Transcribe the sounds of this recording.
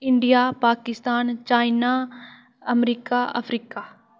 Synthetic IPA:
ɪɳɖijapaːkɪst̪aːnt͡ʃaːɪna | ɐmɾiːkaʔɐ̰fʰɾiːkaː

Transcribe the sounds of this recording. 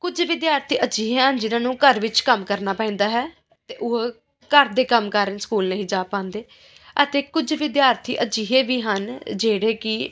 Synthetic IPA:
kʊd͡ʒʋɪd̪jaːɾt̪ʰiːʔəd͡ʒiːɦeːɦənd͡ʒɪnãːnũːkəɾʋɪt͡ʃkəmkəɾnaːpɛ̃ːnd̪aːɦɛː | t̪eːʔʊɦ | kəɾd̪eːkəmkəɾənsə̥kuːlnəɦĩːd͡ʒaːpãːnd̪eː | ət̪eːkʊd͡ʒʋɪd̪jaːɾt̪ʰḭːʔəd͡ʒiːɦeːʋiːɦənd͡ʒeːɽeːkɪ

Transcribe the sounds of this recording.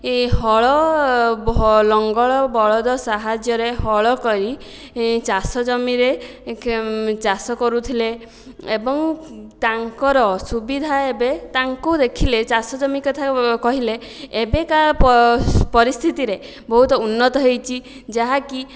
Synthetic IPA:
ɦɔɭɔblɔŋɡɔɭɔbɔɭɔd̪ɔsaɦad͡ʒjɔɾeɦɔɭɔkɔɾi | t͡ʃasɔd͡ʒɔmiɾe | t͡ʃasɔkɔɾut̪ʰileː | bɔŋt̪aŋkɔɾɔsubid̪ʱaebet̪aŋkud̪ekʰilet͡ʃasɔd͡ʒɔmikɔt̪ʰakɔɦileː | bekappɔɾist̪ʰit̪iɾe | bɔɦut̪ɔunːɔt̪ɔɦejt͡ʃʰi | d͡ʒaɦaki

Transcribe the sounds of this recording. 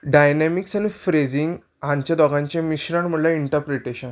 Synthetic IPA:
ɖajnɛmiksanifɾed͡ziŋɡ | ɦãɲt͡ɕjad̪ɔɡãɲt͡ɕẽmiɕɾaɳm̤əɳlaiɳʈəɾpɾeʈeɕən

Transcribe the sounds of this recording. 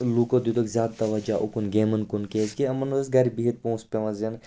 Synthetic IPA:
lukod̪ud̪ɐkzʲaːd̪̚t̪ɐʋɐd͡ʒaːʔukunɡeːmɐnkunkeːzkiɐmɐnsɡɐɾʲbiɦit̪̚põːspʲeʋɐzen

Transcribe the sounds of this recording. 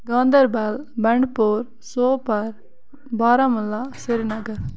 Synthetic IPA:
ɡãːnd̪əɾbaːlbɐɳɖpoːɾ | soːpɐɾ | baːɾamʊlːaseɾnɐɡəɾ

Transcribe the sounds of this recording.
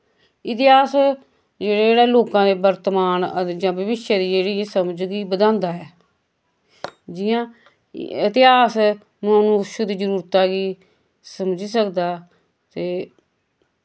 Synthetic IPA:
ɪt̪ɪɦaːs | d͡ʒeːɽaeːɽaːloːkãːd̪eːbəɾt̪əmaːnəd͡ʒãːbəbɪʃaːd̪iːd͡ʒeːɽiːsəmd͡ʒɡiːbəd̪ãːnd̪aːɛː | d͡ʒiːãː | ɪt̪ɪaːs | m̃ːnũːʃəd̪iːd͡ʒəɾuːɾt̪aːɡiː | səmd͡ʒiːsəkd̪aː | t̪eː

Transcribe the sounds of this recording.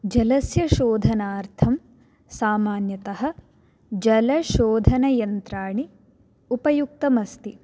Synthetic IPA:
d͡ʒɐlɐsjɐʃoːd̪ʱɐnaːɾt̪ʰɐm | saːmaːnjɐt̪ɐɦɐ̆ | d͡ʒɐlɐʃoːd̪ʱɐnɐjɐnt̪ɾaːɳi | upɐjuk̚t̪ɐmɐst̪i

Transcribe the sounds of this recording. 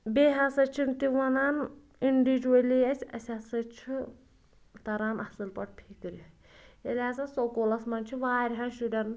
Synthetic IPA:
beːɦasɐt͡ʃʰint̪iʋɐnaːn | iɳɖid͡ʒuɐlijɐsʲɐ̰sʲaːsɐt͡ʃʰi | t̪ɐɾaːnʔɐsɨlpɐʈ̚ʰpʰikɨɾi | elʲaːzɐsokolɐsmɐnt͡ʃʰiʋaːɾʲɦanʃiɖʲɐn

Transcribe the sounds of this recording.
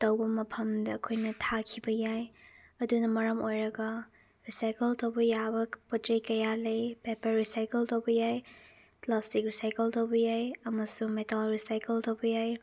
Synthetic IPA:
tɐwbɐmɐpʰɐmdɐːkʰojnɐtʰakʰibɐjaj | ɐdunɐmɐɾɐmojɾɐɡɐ | ɾisajkeltɐwbɐjabɐpotejkɐjalejpepɐɾːisajkeltowbɐjaj | plastik̚ɾisajkeltowbɐjajɐmɐsumetalɾisajkeltɐwbɐjaj

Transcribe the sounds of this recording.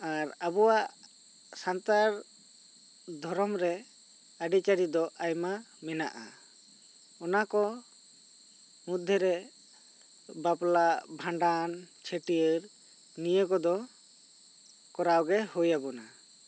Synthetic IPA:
aɾabɔwaʔ | sant̪aɾ | d̪ʱɔɾɔmɾɛ | aɖit͡ʃaɾid̪ɔʔajma | mɛna̰ʔa̰ | ɔnakɔ | mud̪ʱːɛɾɛ | baplaʔbʱaɳɖant͡ʃʰeʈijəɾ | nijəkɔd̪ɔ | kɔɾawɡɛhujabɔna

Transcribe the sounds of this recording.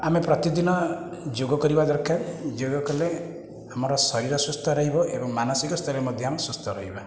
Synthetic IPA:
amepɾɔt̪id̪inɔd͡ʒoɡɔkɔɾibad̪ɔɾkʰaɾd͡ʒoɡɔkɔle | amɔɾɔsɔɾiɾɔsust̪ʰɔɾɔɦibɔʔebɔŋmanɔsikɔst̪ʰɔɾiɾmɔd̪ʱjɔamesust̪ʰɔɾɔɦiba

